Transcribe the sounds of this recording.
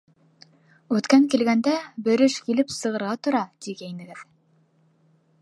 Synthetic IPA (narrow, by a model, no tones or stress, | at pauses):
ʉt̪kæŋkilɡænd̪æbɵ̆ɾɘʃkilɘpsɤ̆ʁɤ̆ɾʁɑt̪ŏɾɑt̪iɡæjnɘ̆ɡɘð